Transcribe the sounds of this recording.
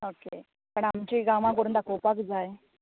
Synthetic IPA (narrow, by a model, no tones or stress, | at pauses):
okḛ | pəɳamt͡ɕiːɡamãk̬əɾuːnd̪akopakd͡zaj